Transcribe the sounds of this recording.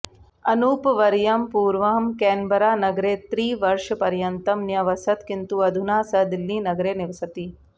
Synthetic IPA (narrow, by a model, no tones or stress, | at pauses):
ɐnuːpʋɐɾjɐmpuːɾʋɐɦɐmkeːnbɐɾaːnɐɡɾeːt̪ɾiːʋɐɾʂɐpɐɾjɐnt̪ɐmnjɐʋɐsɐt̪kint̪uɐd̪ʱunaːsɐd̪ilːiːnɐɡɾeːniʋɐsɐt̪i